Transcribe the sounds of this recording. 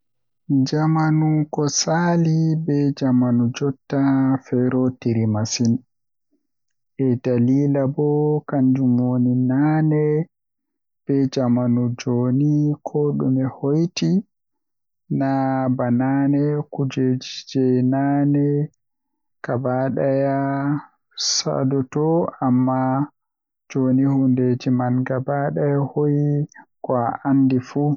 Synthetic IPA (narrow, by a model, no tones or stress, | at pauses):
d͡ʒamanukɔsalibɛd͡ʒamanud͡ʒɔtːafɛɾɔtiɾimasin | ʔɛdaliːlabɔkand͡ʒumwoninaːnɛ | b̥ɛd͡ʒamanud͡ʒoːnikʰɔɗɔmɛhojti | nabananɛkud͡ʒed͡ʒd͡ʒɛnanɛ | kabaɗaja | sa̰dɔtɔamːa | d͡ʒonihunded͡ʒimanɡabaɗajahojikwaʔandifu